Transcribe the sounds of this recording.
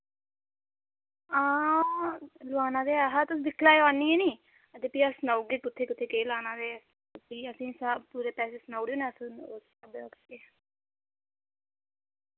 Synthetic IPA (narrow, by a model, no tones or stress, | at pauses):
aː | lʊaːnãːd̪eːaɦaːt̪ʊsd̪ɪkʰlaːjaːniːeːniː | ət̪eːpiːasnaːuɡeːkʊt̪ʰːeːkɪt̪ʰːeːkeilaːnãːd̪eː | piːəsĩːsapuːɾeːpɛːseːsnaːuɽõːneːsũːosabəkskeː